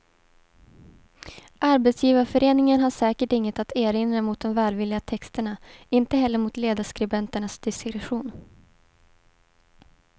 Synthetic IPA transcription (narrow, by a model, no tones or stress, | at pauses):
ʔaɾbɛt̪sjiːvaɾfœɾeːnɪŋənɦaʂɛːkəʈɪŋːət̪at̪eːɾɪnɾamʊt̪̚d̪ɔmvɛːlvɪlːɪɡat̪ʰɛkst̪əɳaɪnt̪əɦɛlːəɾmʊt̪leːd̪aʂkɾɪbɛnt̪əɳasd̪̥ɪskɾɛɧuːn